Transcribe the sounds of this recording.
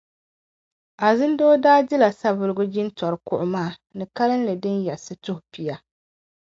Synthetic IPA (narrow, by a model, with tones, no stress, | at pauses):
a˨zɨ˦ndoː˦daː˦dɪ˦la˨sa˦vɨ˨lɨ˦ɡʊ˦d͡ʒɪ˦ntɔ˨ɾɨ˨kʊ˦˨ʔʊ˨maː˦˨ | nɨ˨ka˦lɨ˦n˦lɨ˨dɨ˦njɛ˨lsɨ˨tʊ˦hʊ˨pi˨ja˨˦